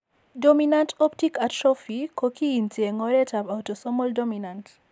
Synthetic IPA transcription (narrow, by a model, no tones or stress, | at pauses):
dominantɔptikatʃɔfikokiintieŋɔɾɛtapawtosɔmɔldominant